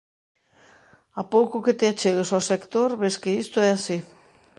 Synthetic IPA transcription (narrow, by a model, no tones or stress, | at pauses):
apowkuket̪eat͡ʃeɣ̞esosekt̪oɾβeskeist̪oɛasi